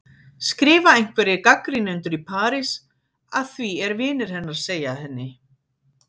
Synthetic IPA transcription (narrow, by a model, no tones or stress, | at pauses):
skɾɪːvaejŋ̥kvɛɾɪkakɾinʏnt̪ʏɾipʰaːɾɪs | aðθviɛɾvɪːnɪɾ̥hɛnːaɾseːjahɛnːɪ